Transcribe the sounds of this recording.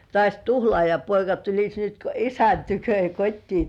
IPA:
tŏɑˑsʲ tuhlŏɑˑjɑpoikɑ tulisʲ nyt ko isæn tykø jɑ kotʲtiː

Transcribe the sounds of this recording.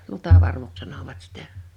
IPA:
lutɑʋɑrʋuks sɑnoʋɑt sitæ

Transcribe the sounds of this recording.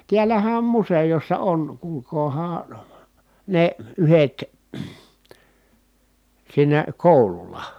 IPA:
tiælæhæ om musejosːɑ on kuːlkoːhɑː neˑ yhet siːnæ koˑululˑɑ

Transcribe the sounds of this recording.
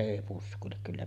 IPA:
eˑi puskˑuilek kylːæ

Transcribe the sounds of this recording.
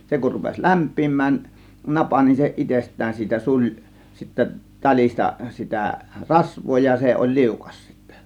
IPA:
se kur rupes læmpˑiːmˑæːn nɑpɑ nin se itestˑæːn siːtæ sulʲ sitːæ tɑlʲistɑ sitæ rɑsʋˑoː jɑ se olʲ liukɑs sitːæ̥

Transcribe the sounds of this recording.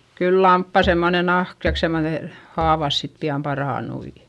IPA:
kyl lɑmpːɑˑ semːone nɑhk tɑik semːone hɑːʋɑs sit piɑm pɑrɑˑnui

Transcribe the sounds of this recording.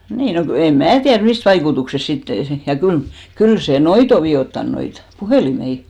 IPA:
niː no ku em mæː tiær mist ʋɑikutuksest sitːe jɑ kyl kyl se noit o ʋiotːɑn noit puheˑlimei

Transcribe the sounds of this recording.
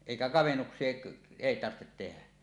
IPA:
eˑikæ kɑʋenːuksˑie eˑi tɑrhtet tenæ

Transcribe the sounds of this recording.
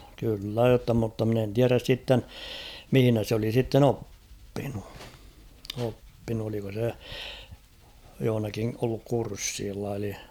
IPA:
kylːæ jotːɑ mutːɑ mɪ̆n en tiæræs sitːen mihĭnæ s oli sitːen opːinu opːinu oliko se johŏnɑki olːuk kursːiːlːɑ eli

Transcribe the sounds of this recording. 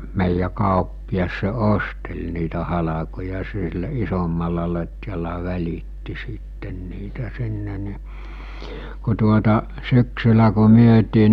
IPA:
meˑijːæ kɑˑopːiɑs se ostelʲ niːtæ hɑlɑkojɑ silːæ isomːɑlːɑ lotʲjɑlɑ ʋælʲitːi siˑtːen niːtæ sinːe ni ku tuotɑ syksylæ ku myøtiː

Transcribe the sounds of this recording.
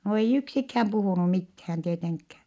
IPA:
no ei yksikhæm puhuˑnu mithæːn tieteŋkːæː

